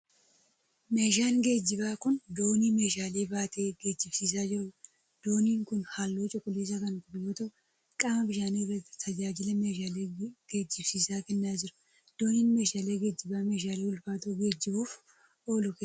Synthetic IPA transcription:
me̞ːʃ̬aːnɡe̞ːd͡ʒːɪbaːkʊnd̪oːniːme̞ːʃaːle̞ːbaːt̪ʰeːɡeːd͡ʒɪb̥siːs̬aːd͡ʒɪɔːl | d̪̥o̞ːniːŋkʊnhaːlːoːt͡ʃʼɔkʼʊleːsakɐnkʊbjoːt̪ɐʔʊ | kʼaːmɐbɪʃaːneːrɐt̪ːɪ̥t̪ʰɐd͡ʒaːd͡ʒɪlɛmeːʃaːleːɡ̥eːd͡ʒːɪbsiːsaːkɛnːaːd͡ʒɪɾʊ̥ | d̪̥o̞ːniːnme̞ːʃaːle̞ːɡeːd͡ʒːɪbaːme̞ːʃaːleːwʊlfaːt̪uːɡe̞ːd͡ʒːɪbuːf | oːlʊke

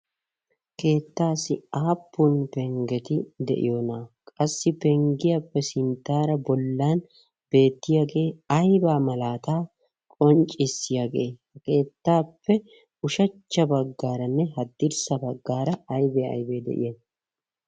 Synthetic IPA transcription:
ke̞ːt̪ːaːsɪaːpːʊnpɛŋɡɛt̪ɪd̪ɛ̰ʔɪ̰jo̞ːnaːkʼɐsːɪpɛŋɡɪjaːpːɛsɪnt̪ːaːɾɐbɔlːaːn | b̥e̞ːt̪ːɪjaːɡe̞ːɐjbaːmɐlaːt̪aː | kʼɔnt͡ʃʼɪsːɪjaːɡe̞̰ːhɐke̞ːt̪ːaːpːɛ | ʊʃɐt͡ʃːɐbɐɡːaːɾɐnːɛɦɐd̪ːɪɾsɐbɐɡːaːɾɐɐjbeɐ̰jbeːd̪ɛ̰ʔɪ̰jen

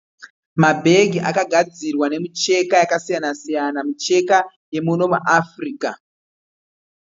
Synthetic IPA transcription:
mabʱe̞ɡʱiʔakaɡʱad͡zirwane̞mut͡ʃe̞kajakasijanasijanamut͡ʃe̞ka | je̞muno̞muʔafriːka

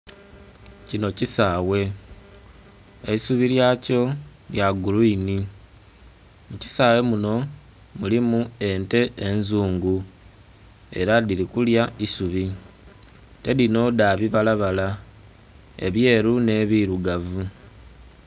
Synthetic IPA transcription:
cino̞cisaːwe̞ | eisuβiljaːco̞ | ljaɡuluini | muci̥saːwe̞muno̞ | mulimue̞nte̞ʔenzuːŋɡu | e̞ɾaðilikuljaisuβi | te̞lino̞ðaːβiβalaβala | e̞̰βje̞ːɾune̞ːβiɾuɡavu

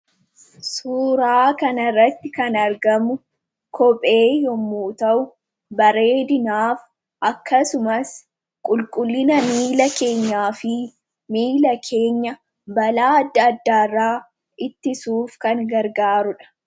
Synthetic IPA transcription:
suːɾaːkɐnɐrːɐt̪ːɪkɐnɐɾɡɐmʊ | kʰɔpʼe̞ːjɔmːuːt̪ɐʔʊ | bɐɾe̞ːd̪ɪnaːf | ʔɐkːɐsʊmɐs | kʼʊlkʼʊlːɪnɐmiːlɐke̞ːɲːaːfɪ | miːlɐkʰe̞ːɲːɐ | bɐlaːɐd̪ːɐːd̪ːaːrːaː | ʔɪt̪ːɪsuːfkɐŋɡɐɾɡaːɾʊᶑɐ̥

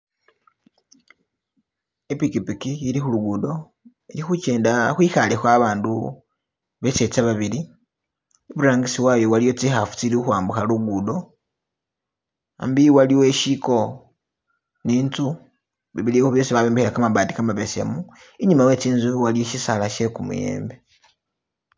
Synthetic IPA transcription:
epikipikiilixuluɡudo̞ | ilixut͡ʃe̞ːndaxwiːxalexwaβaːndu | βe̞t͡set͡saβaβili | eβuɾaːŋɡisiwajo̞walijo̞t͡sixafu̥t͡siɾiuxwaːmbuxaluɡudo̞ | a̰mbiwaliweʃiko̞ | niːntu | βiβiliehoβjo̞ːsiβaβembehiakamabaːdikamaβesḛmu | iɲumawe̞t͡siːnzuwalijoʃisalaʃekumṵjḛːmbe

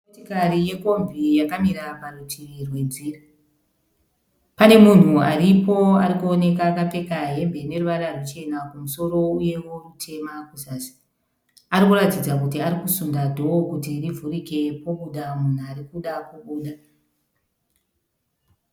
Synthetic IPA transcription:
otikarije̞ko̞mvijakamiɾaparutʰirwe̞d͡ziːra | pane̞mun̤uaɾipo̞aɾikuo̞ne̞kaːkap͡fe̞kaɦe̞mbe̞ne̞ruʋaɾarwut͡ʃe̞nakumuso̞ɾo̞uje̞wo̞rutʰe̞makusaːsi̥ | aɾikuratid͡zakutiaɾikusundadʱo̞okutirivʱurike̞po̞ɓuɗamun̤uaɾikuɗakuɓuːɗa

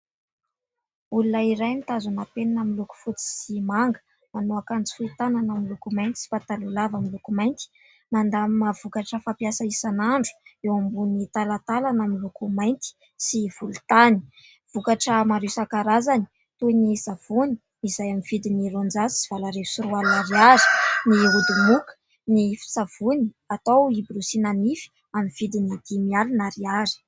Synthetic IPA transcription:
ulunaiɾajnit̪azunapeninamiluku̥fut͡si̥simaŋɡə̥ | manoakant͡si̥fuit̪ananamilukumajnt̪i̥si̥fat̪alulavamilukumajnt̪i̥ | mand̪amav̥ukaʈ͡ʂəfapiasaisanaɳɖ͡ʐu̥ewambunit̪alat̪alanamilukumajnt̪i̥ | siv̥ulut̪ani̥ | v̥ukaʈ͡ʂəmaɾiwsakaɾazani̥ | t̪unizav̥uni̥ | izajamivid̪iniɾond͡zazisiv̥alaɾeu̥suɾualunaɾiaɾi̥niud̪umukə̥ | nifi̥sav̥uni | at̪owibiɾusinanifi̥ | amiv̥id̪inid̪̥imialunaɾiaɾi̥

